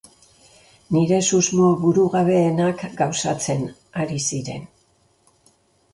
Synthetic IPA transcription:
niɾe̞suzmoβuɾuɣaβe̞ːnakɡawsat͡se̞n | aɾisiɾe̞n

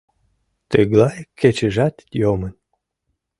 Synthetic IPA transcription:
t̪əɡlɑjket͡ɕəʒɑt̪jomən

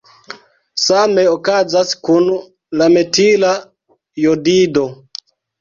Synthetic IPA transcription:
sameokazaskun | lametila | jodido

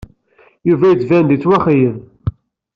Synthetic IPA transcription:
juvæjət͡sːvænd̪it͡sːwæχijən

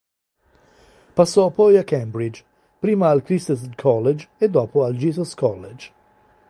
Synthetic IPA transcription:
pasːɔpɔjakːɛmbɾid͡ʒ | pɾiːmaːlkɾist̪eskʰɔlːed͡ʒed̪ːɔːpoald͡ʒiːzɔskɔlːed͡ʒ

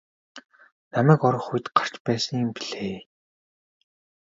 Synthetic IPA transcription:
namæːkɔɾɞ̆χuj̆t̪ɢar̥t͡ɕpæːsə̆ŋjɪmpiɮ̥eː

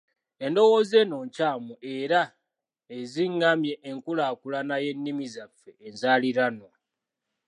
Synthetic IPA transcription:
e̞ndo̞woze̞ːno̞ːɲcaːmuʔe̞ɾa | eziŋːamje̞ʔːŋkulaːkulanaje̞nːimizafːe̞ːnzaliɾano̞

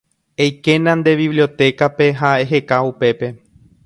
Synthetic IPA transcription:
ejke̞nãnd̪e̞βiβlio̞t̪e̞kape̞ɦaeɦe̞kaupe̞pe̞

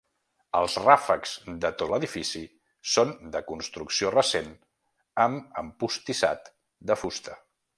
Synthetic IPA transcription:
əlˠzrafəkz̥d̪ət̪ot̪ləðifisi | sond̪əkunst̪ɾuksiorəsen | əməmpust̪isa̰t̪ | d̪əfust̪ə

